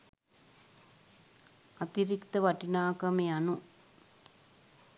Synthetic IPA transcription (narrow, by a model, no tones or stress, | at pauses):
ɐt̪iɾikt̪ɐʋɐʈinaːkɐmeanu